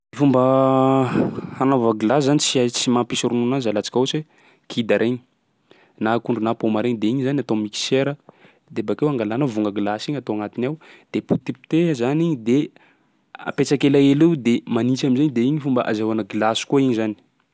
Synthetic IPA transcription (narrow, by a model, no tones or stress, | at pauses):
ifumbə | hanovaɡlaszanit͡siat͡simampisuɾununazalat͡si̥kʲause | kʰid̪aɾʔeɲi̥ | nakuɳɖ͡ʐunapomaɾeɲid̪eiɲizaniat̪omiki̥seɾə | d̪ebakewaŋɡalanavuŋɡəɡilasiɲat̪oaŋat̪inawd̪̥eput̪ipt̪ezaniɲd̪e | a̰pet͡sakelaelewd̪emanit͡ʃaminzeɲid̪eiɲifumbə̰ʔa̰zawanəɡilasi̥kuaiɲizani̥